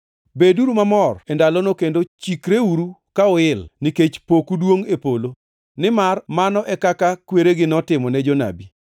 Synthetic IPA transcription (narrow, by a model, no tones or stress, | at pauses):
beduɾumamɔrɛndalɔnokendot͡ʃikɾeuɾukaɔɪlniket͡ʃpokudwoŋepolo | nɪmarmanɔʔɛkakakweɾeɡɪnɔtɪmɔnɛd͡ʒɔna̰bi